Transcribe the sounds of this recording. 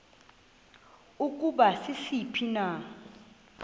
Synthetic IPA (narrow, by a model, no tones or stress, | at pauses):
uk̬ʼuɓasisipʰina